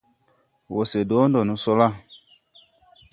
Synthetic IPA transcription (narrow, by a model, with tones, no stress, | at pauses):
wo˨se˨do˨˦ndɔ˨nũ˨so˦la˦